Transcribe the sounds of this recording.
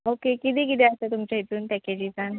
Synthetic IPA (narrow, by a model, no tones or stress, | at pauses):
okekit̪iːkit̪iəsət̪umt͡ɕait̪uːnp̪ɛked͡ʑiːd͡zan